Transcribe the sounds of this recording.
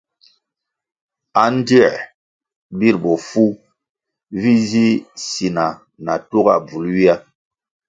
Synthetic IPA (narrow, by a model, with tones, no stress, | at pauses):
a˨n˦di˦˨ | bi˦˨ɾbɔ˨fu˦ | vi˦zi˦si˨na˨ | na˨tu˦ɡa̰˨b͡vu˨lwi˦a˦